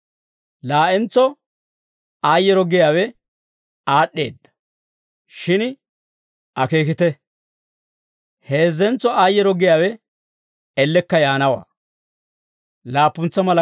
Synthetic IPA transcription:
laːʔɛnt͡sɔ | aːjːɛɾɔɡɪjaːwɛ | aːɗːeːd̪ːɐ̥ | ʃɪn | ʔɐke̞ːkɪt̪ɛ | he̞ːzːɛnt͡sːɔaːjːɛɾɔɡɪjaːwɛ | ɛlːɛkːɐjaːnɐwa̰ː | laːpːʊnt͡sːɐmɐlɐ

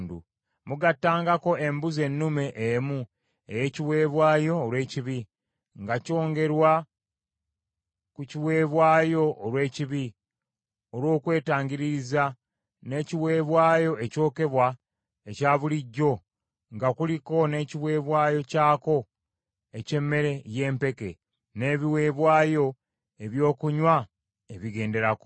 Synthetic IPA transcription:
ndṵ | muɡatːaːŋɡako̞e̞mbuze̞nːume̞ʔemu | e̞̰je̞ːciβwe̞ːβwaːjo̞ːlwe̞ːciβi | ŋɡaco̞ːŋɡe̞ɾwa | kuciwe̞ːβwaːjo̞ʔːlwe̞ːciβi | olwo̞ːkwe̞ːtaːɲɡiɾiza | ne̞ːciwe̞ːβwaːjo̞e̞co̞ːke̞βwa | ecaːβuliɟːo̞ | ŋɡakuliko̞ne̞ːciβwe̞ːβwaːjo̞caːko̞ | e̞ce̞mːe̞ɾe̞je̞ːmpe̞ke̞̰ | ne̞ːβiwe̞ːβwaːjo̞ | e̞βjo̞ːkuɲwa | eβiɡe̞ːnde̞ɾako

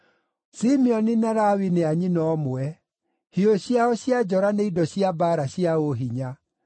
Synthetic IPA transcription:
simiɔninaɾawineaɲinɔːmoɛ | hioɕiaɔɕiad͡ʑɔɾaneidɔɕjabaːɾaɕiaoɦiɲa

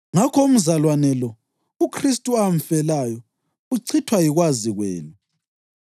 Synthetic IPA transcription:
ŋakʰɔum̩zalwanɛlɔ | ukʰristʼuaɱ̩fɛlajɔ | uǀʰitʰwajiɣwaziɣwɛ̰ːlu

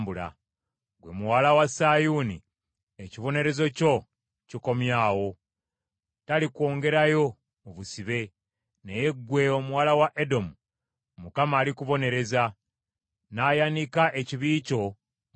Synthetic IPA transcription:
bula̰ | ɡwe̞muwaːlawasajuːnḭ | eciβo̞ne̞ɾe̞zo̞co̞ | ciko̞mjaːwo̞ | talikwo̞ːŋɡe̞ɾajo̞ː | βusiβe̞ | neje̞ɡwe̞o̞muwaːlawaʔedo̞mu | mukamaːlikuβo̞ne̞ɾe̞za | naːjanikaʔeciβiːco̞

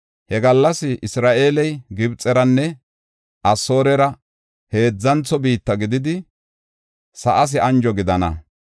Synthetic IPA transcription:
hɛɡɐlːɐsɪʔɪsɾaːʔe̞ːlɛjɡɪbt͡sʼːɛɾɐnːɛ | ʔɐso̞ːɾɛɾɐ | he̞ːd͡zːɐnt͡sːɔbiːt̪ːɐɡɪd̪ɪd̪ɪ | sɐʔɐs̬ɪɐnd͡ʒɔɡɪd̪ɐnɐ̰

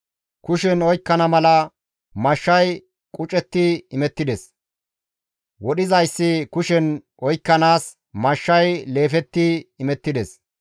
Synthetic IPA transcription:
kʊʃɛnɔjkːɐnɐmɐlɐ | mɐʃːɐj | kʼʊt͡ʃʼɛt̪ːɪɪmɛt̪ːɪd̪ɛs | wɔɗɪzɐjsːɪkʊʃɛnʔɔjkːɐnaːs | mɐʃːɐjle̞ːfɛt̪ːɪːmɛt̪ːɪd̪ɛs

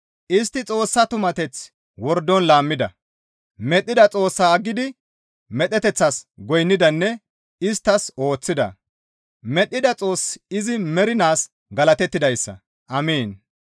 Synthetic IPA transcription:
ʔɪst̪ːɪt͡sʼo̞ːsːɐt̪ʊmɐt̪ɛt͡s | wɔɾd̪ːɔnlaːmːɪd̪ɐ | mɛɗ̪ʼːɪd̪ɐt͡sʼo̞ːsːaːɡːɪd̪ɪ | mɛt̪ːɛt̪ɛt͡sːɐsɡɔjnːɪd̪ɐnːɛ | ɪst̪ːɐso̞ːt͡sːɪd̪ɐ̰ | mɛɗːɪd̪ɐt͡sʼo̞ːsɪzɪmɛɾɪnaːs | ɡɐlɐt̪ɛt̪ːɪd̪ɐjsːɐ̰ | ʔɐmeːn

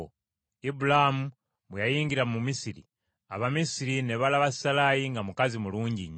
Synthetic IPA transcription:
ibulamu | βwejajiːɲɟiɾamumisiɾḭ | a̰βamisiɾineβalaβassalajiŋɡamukazimuluːɲɟiɲ

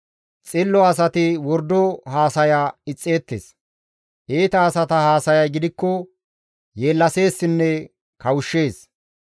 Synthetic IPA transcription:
t͡sʼɪlːɔɐsɐt̪ɪwɔɾd̪ɔhaːsɐjaːɪt͡sʼːe̞ːt̪ːḛːs | ʔeːt̪ɐːsɐt̪ɐhaːsɐjɐjɡɪd̪ɪkːɔ | je̞ːlːɐse̞ːsːɪnːɛ | kɐwʊʃːe̞ːs

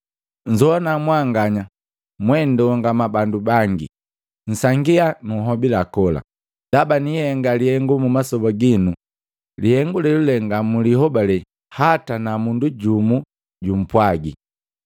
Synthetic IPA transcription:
ɲ̩d͡ʒɔanamwaŋɡaɲa | mwɛndɛɔŋɡamabandubaŋɡḭ | n̩saŋɡianuɦɔbilakɔla̰ | d̥abanihɛŋɡalihɛŋɡumumasɔbaɡinu | lihɛŋɡulɛlulɛŋɡamulihɔbalɛ | hatanamunduɟumu | ɟum̩pwaɡḭ

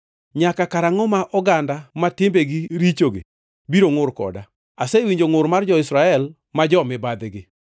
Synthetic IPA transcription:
ɲakakaɾaŋɔmaʔɔɡandamatɪmbeɡɪɾit͡ʃoɡɪ̰ | biɾoŋʊrkɔ̰da | asewiɲd͡ʒoŋʊɾmard͡ʒɔɪsɾaɛl | mad͡ʒɔmɪbad̪ɪɡɪ

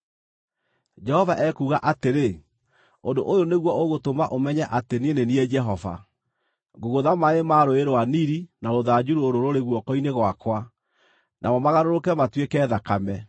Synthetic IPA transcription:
d͡ʒɛhɔvaʔɛkuɣaʔateɾe | ondoʔojoneɣwɔoɣotomaʔomɛɲɛʔatenieneniɛd͡ʒɛɦɔva̰ | ŋɡoɣoðamaemaɾoeɾowaniɾinaɾoðad͡ʒuɾuoɾoɾoɾeɣwɔkɔineɣwakwa | nʔa̰mɔmaɣaɾoɾokɛmatwekɛːðakamɛ

